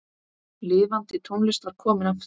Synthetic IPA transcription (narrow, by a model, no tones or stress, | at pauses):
lɪːvant̪ɪt̪ʰunlɪst̪aɾ̥kʰɔːmɪnaf